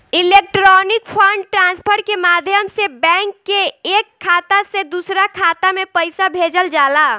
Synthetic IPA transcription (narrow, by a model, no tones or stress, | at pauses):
ilek̚ʈɾɔnɪk̚pʰəɳɖʈɾãːnspʰəɾkemad̪ʱjəmsebɛ̃ŋkːeekʰːaːt̪ased̪usɾakʰaːt̪amẽpəɪsabʱed͡ʒəld͡ʒaːla